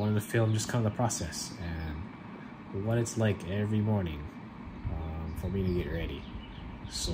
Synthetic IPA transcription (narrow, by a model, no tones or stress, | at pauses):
wʌ̃nʌvðɨfɪlˠmd͡ʒʌskʰʌ̃mðəpʰɹ̥ɑsɛsɨ̃n | wʌɾɨtslaɪkɛvɹimɔɹnɪ̰̃ŋ | ʌ̃mfə˞miɾɨɡɛʔ̚ɹɛɾḭ | so